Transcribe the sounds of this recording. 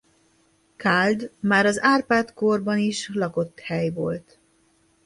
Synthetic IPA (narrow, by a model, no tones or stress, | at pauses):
kald̪maːɾɒzaːrpaːt̪korbɒniʃlɒko̞t̪ːhɛjvolt̪